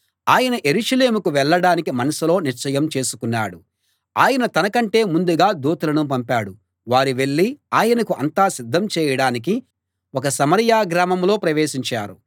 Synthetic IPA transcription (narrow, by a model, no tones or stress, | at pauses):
aːjɐnɐʔe̞ɾuʂɐle̞ːmukuʋɛɭːɐɽaːnikimɐnɐsilo̞ːniɾt͡ʃɐjɐmt͡ʃe̞ːsu̥kunːaːɽu | aːjɐnɐt̪ɐnɐkɐɳʈe̞ːmund̪uɡaːd̪uːt̪ɐlɐnupɐmpaːɽu | ʋaːɾiʋe̞ɭːiaːjɐnɐkuʔɐ̰nt̪aːsid̪ʱːɐmt͡ʃɛːjɐɽaːnik̬i | wɔkɐsɐmɐɾjaːɡɾaːmɐmlo̞ːpɾɐʋe̞ːʃiɲt͡ʃaːɾṵ